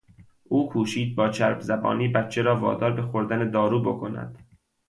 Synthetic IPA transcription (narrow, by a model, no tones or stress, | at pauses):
ʔuːkʰuːʃiːd̪̚bɒːt͡ʃʰæɾbzæbɒ̰ːniːbæt̪t͡ʃʰːe̞ɾɒːvɒ̰ːd̪ɒːɾbe̞xoɾd̪æned̪ɒːɾuːbo̞kʰonæ̰d̪̥